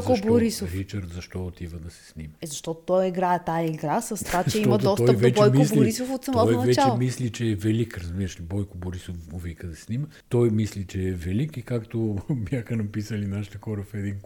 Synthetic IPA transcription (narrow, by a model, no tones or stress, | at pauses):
koboɾisofɾit͡ʃəɾd̪zɐʃt̪ɔot̪ivəd̪ɐsɛ̥snimɐɛzɐʃt̪ɔt̪ʊ̥t̪ɔjiɡɾaɛt̪aiɡɾasɐst̪vat͡ʃɛit̪ɔmɐd̪t̪ɔsɔəjpvoɛt͡ʃbɔɛjmosbliɾisofot̪sɐmɔɔj̪ɐvɛt͡ʃat͡ʃlɛmislit͡ʃɛːvɛlikɾɐzbiɾəʃlibɔjkoboɾisofovikəd̪ɐsɛsnimə | t̪ɔjmislit͡ʃɛɛvɛlikikakt̪objaxənɐpisəlinaʃi̥t̪əxɔɾəfɛd̪in